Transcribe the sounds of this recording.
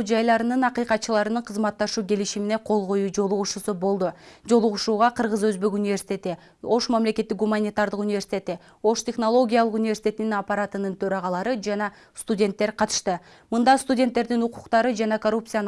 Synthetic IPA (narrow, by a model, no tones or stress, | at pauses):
d͡ʒɑjlˠɑɾɯnɯnɑqijqɑt̪̚t͡ʃɯlˠɑɾɯnɯɴqʰɯzmɑt̪ːɑʃuːkʲe̞liʃimine̞qʰo̞lˠʁo̞juːd͡ʒo̞lˠuʁuʃusubo̞lˠd̪ud͡ʒo̞lˠuʁuʃuːʁɑqʰɯɾʁɯzø̞zbe̞kunʲvʲe̞ɾsi̥t̪ʲe̞t̪i | o̞ʃmamle̞kʲe̞t̪ːik̚ɡumanʲit̪aɾd̪ɯqunʲɪvʲe̞ɾsi̥tʲet̪i | o̞ʃt̪ʲe̞χno̞lˠo̞ɡʲijɑlˠɯqunʲɪvʲe̞ɾsi̥t̪ʲe̞t̪ininɑpːaɾat̪ɯnɯnt̪ʰø̞ɾɑʁɑlˠɑɾɯd͡ʒɑnɑ | st̪udʲe̞nt̪ːe̞ɾqʰɑt̪ɯ̥ʃt̪ɯ | mɯnd̪ɑst̪udʲent̪ːe̞ɾd̪inuquqt̪ɑɾɯd͡ʒɑnɑkorup̪̚sɨjan